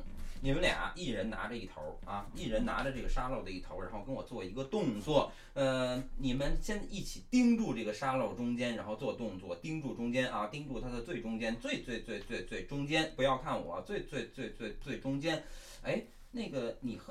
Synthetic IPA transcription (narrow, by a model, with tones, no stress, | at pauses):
ni˨˩mə˦nlja̰˨˩˦ʔi˥˩ɻə˧˥nna̰˧˥ʈ͡ʂə˧i˥˩t̪ʰo̰˧˥ʊɐ˧i˥˩ɻə˧˥nna̰˧˥ʈ͡ʂə˧ʈ͡ʂɤ˥˩ɡə˩ʂa˥lo˥˩ʊd̪ə˩i˥˩t̪ʰo˧˥ʊɻa˧˥nxo˥˧ʊkə˥nwɔ˨˩t͡swɔ˥˩i˧˥ɡə˧t̪ʊ˥˧ŋt͡swɔ˥˩ | ə˧ni˨˩mə˦nɕjɛ˥n˧i˥˩t͡ɕʰi˨˩t̪i˥ŋʈ͡ʂu˥˧ʈ͡ʂɤ˥˩ɡə˩ʂa˥lo˥˩ʊʈ͡ʂʊ˥ŋt͡ɕjɛ˥nɻa˧˥nxo˥˧ʊt͡swɔ˥˧t̪ʊ˥˧ŋt͡swɔ̰˥˩t̪i˥ŋʈ͡ʂu˥˩ʈ͡ʂʊ˥ŋt͡ɕjɛ˥nʔɐ˥˧t̪i˥ŋʈ͡ʂu˥˩t̪ʰa˥d̪ə˨t͡swe˥˩ɪʈ͡ʂʊ˥ŋt͡ɕjɛ˥nt͡swe˥˧ɪt͡swe˥˧ɪt͡swe˥˧ɪt͡swe˥˧ɪt͡swe˥˩ɪʈ͡ʂʊ˥ŋt͡ɕjɛ˥npu˧˥jɑ˥˧ʊkʰa˥˩nwɔ̰˨˩˦t͡swe˥˧ɪt͡swe˥˧ɪt͡swe˥˧ɪt͡swe˥˧ɪt͡swe˥˩ɪʈ͡ʂʊ˥ŋt͡ɕjɛ˥n | e˥˩ɪ | na˥˩ɡə˩ni˨˩x